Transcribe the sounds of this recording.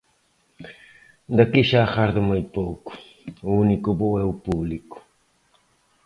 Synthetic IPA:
d̪ɐkiʃaxaɾðɪmoj̪powkʊ̥ | uunikʊβoɛʊpuβlikʊ̥

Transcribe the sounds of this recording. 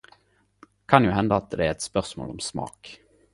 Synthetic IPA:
kʰɑnjʊɦɛnd̪aːt̪̚d̪ɛæɾɛt̪spœʁsmo̰ːlɔmsmɑ̰ːk

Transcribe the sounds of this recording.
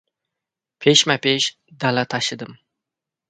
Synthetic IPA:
pʰeʃmapʰeʃ | d̪alat̪ʰaʃɪd̪ɪm

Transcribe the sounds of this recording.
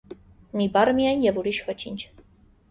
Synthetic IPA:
mibɑrmijɑjnjɛvuɾiʃvɔt͡ʃʰḭnt͡ʃʰ

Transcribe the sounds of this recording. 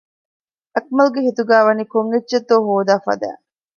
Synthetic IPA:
ɐk̚mɐlɡeɦit̪uɡæːʋɐnikoŋɡetːʃet̪ːoːɦoːd̪aːfɐ̰d̪æ̰ː

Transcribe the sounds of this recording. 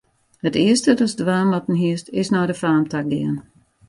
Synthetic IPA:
hətɪəstədɔsdʋaːmatn̩ɦiəstɪsnɔːdəfaːmtʰak̚ɡɪ̰ən

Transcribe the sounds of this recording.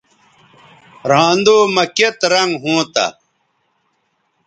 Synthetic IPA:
ɾãːnd̪oːmɐket̪ɾɐŋɡɦũːt̪ɐ̰

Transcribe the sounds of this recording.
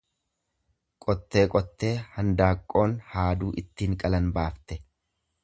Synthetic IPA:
kʼɔt̪ːe̞ːkʼɔt̪ːe̞ːhɐnd̪aːkʼːo̞ːnhaːd̪uːʔɪt̪ːiːŋkʼɐlɐnbaːft̪ɛ

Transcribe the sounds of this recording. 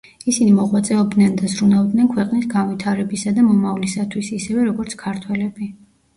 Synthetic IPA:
isinimɔʁwat̪sʼɛɔb̚d̪nɛnd̪azɾunavd̪nɛnkʰwɛqʼnisɡanvit̪ʰaɾɛbisad̪amɔmavlisat̪ʰwisisɛvɛɾɔɡɔɾt̪sʰkʰaɾt̪ʰwɛlɛbi

